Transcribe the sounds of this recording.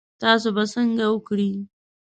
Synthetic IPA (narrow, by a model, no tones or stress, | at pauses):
taːs̬ubɐsɐŋɡawʊkɽiː